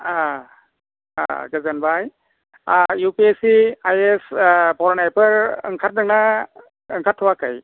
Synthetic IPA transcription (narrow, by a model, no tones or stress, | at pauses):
a | a̰ɡəzanbaj | jupiesiajespɔɾɔnajpʰɯɾɯ̰ŋkʰat̚nak̚na | ɯŋkʰatʰːuwakaj